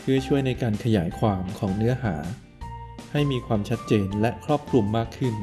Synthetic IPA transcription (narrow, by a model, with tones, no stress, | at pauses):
pʰɯ˥˩ɐt͡ɕʰu˥˩əjna˧jkaː˧nkʰa˧jaː˩˦jkʰwaː˧mkʰɔː˩˦ŋnɯ˦˥ɐɦaː˩˦ | ha˥˩jmiː˧kʰwaː˧mt͡ɕʰa˦˥t̪̚t͡ɕeː˧nlɛ˦˥kʰɾɔː˥˩p̚kʰlu˧mːaː˥˩kʰːɯ˥˩n